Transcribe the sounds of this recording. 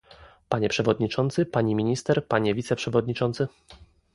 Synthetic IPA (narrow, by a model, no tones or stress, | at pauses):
paɲɛpʂɛvɔd̪ɲit͡ʂɔnt̪sɘpaɲimʲiɲist̪ɛɾpaɲɛvʲit̪sɛpʂɛvɔd̪̚ɲit͡ʂɔnt̪sɘ